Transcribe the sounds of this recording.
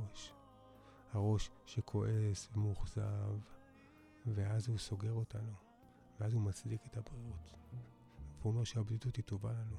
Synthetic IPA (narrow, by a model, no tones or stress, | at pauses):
oʃ | haʁo̞ʃʃekʰo̞ʔe̞svemuχzav | ve̞azhuso̞ɡe̞ʁo̞tano | veazhumat͡sliketabʁiot | veome̞ʁʃeabditutito̞valalo